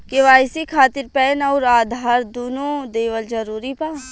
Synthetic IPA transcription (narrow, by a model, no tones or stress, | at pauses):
keʋaːjsikʰaːt̪ɪɾpɛːnɔːɾaːd̪ʱaːɾd̪oːnod̪eːʋəld͡ʒɐɾuːɾipaː